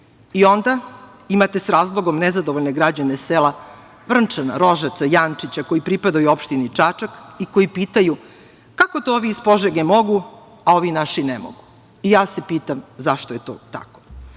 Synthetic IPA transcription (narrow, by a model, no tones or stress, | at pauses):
io̞nd̪a | imat̪e̞sɾaːzlˠoɡo̞mnezad̪oʋoʎne̞ɡɾad͡ʑanesela | ʋr̩nt͡ʂana̰ɾo̞ʒat̪sajant͡ʂit͡ɕako̞jipɾipad̪ajuopʃt̪init͡ʂat͡ʂakiko̞jipiːt̪aju | kako̞t̪ooʋiispo̞ʒeɡemo̞ɡu | ao̞ʋinaʃinemo̰ɡu | ijaːse̞piːt̪amzaʃt̪oje̞t̪o̰t̪a̰ko̥